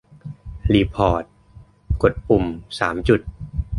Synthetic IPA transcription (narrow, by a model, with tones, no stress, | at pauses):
liː˧˩pʰɔː˨˩t̪̚ | ko˨˩t̪̚ʔu˨˩msaː˩˦mt͡ɕu˨˩t̪̚